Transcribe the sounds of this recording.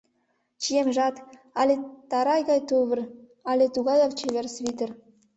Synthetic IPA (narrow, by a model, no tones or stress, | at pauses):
t͡ɕijemʲʒɑt̪ | ɑlʲet̪ɑɾɑjɡɑjt̪uβɘ̆r | ɑlʲet̪uɡɑd̪oʋt͡ɕeβʲerʲsβʲit̪ʲɘ̆r